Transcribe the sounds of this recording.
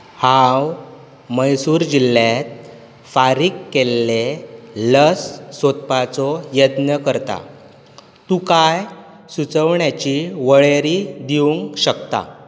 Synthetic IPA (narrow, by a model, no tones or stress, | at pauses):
hãw | məjsuːɾd͡ʑilːat̪̚ | faɾiːkːelːeləsːot̪pat͡sɔjəd̪nəkəɾt̪a̰ | t̪ukaj | sut͡səʋɳjat͡ɕiʋəɭeɾid̪iuŋɡɕəkt̪a̰